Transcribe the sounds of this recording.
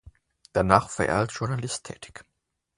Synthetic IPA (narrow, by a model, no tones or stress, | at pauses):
d̥anaːχfɛɐʔḛɐltʒ̥ʊɐnalɪstʰːɛ̰ːtɪ̥ç